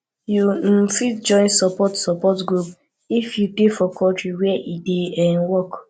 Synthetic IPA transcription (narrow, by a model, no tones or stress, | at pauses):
jum̩fitd͡ʒɔ̃ɪ̃nsɔpɔtsɔpɔtɡɾup | ifjutefɔkʰɔ̃tɹiwɛɛʔideɛ̃nwɔk